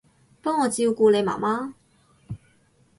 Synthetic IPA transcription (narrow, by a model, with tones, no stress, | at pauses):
pɔː˥ŋːɔː˨˧t͡siː˧wkuː˧le˨˧jma̰ː˨˩maː˥